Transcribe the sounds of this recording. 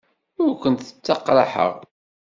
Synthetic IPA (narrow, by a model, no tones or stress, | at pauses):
ʊɾkʷənt̪θə̥t͡sːɑqːlaħə̰ʁ